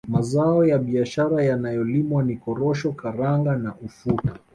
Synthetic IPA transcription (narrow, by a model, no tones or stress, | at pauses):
mazaɔjaɓiaʃaɾajanajɔlimwanikɔɾɔʃɔkaɾaŋɡanaʔufuta